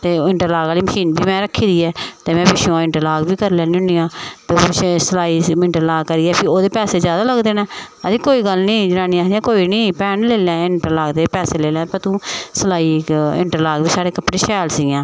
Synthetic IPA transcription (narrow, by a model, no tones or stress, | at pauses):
t̪eːɪɳʈəɾlaːɡɡaːliːməʃiːnbʱiːmɛ̃ːɾəkʰːiːd̪iːɛːt̪eːmɛ̃ːbɪʃõɪɳʈəɾlaːɡbiːkəɾlɛ̃ːnĩʊ̃niːãːt̪eʃesəlaːiːɪɳʈəɾlaːɡkəɾiːɛːpʰɪɾoːd̪eːpɛːseːzjaːd̪aːləɡd̪eːnɛ̃ː | əd̪iːkoːiːɡəlnĩːd͡ʒəɾãːnĩːaːsd̪ijãːkoːiːnĩːpɛːnleːlɛ̃ːɪɳʈəɾlaːɡd̪eːpɛːseːleːlɛ̃ːpəɾt̪ũːsəlaːiːɪ̰ɳʈəɾlaːɡbiːsaːɽeːkəpɽeːʃɛːlsɪɡãː